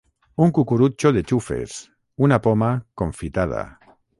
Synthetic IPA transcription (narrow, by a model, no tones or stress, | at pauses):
uŋkukuɾut͡ʃoðet͡ʃufe̞̰s | unapomakoɱfit̪að̞a̰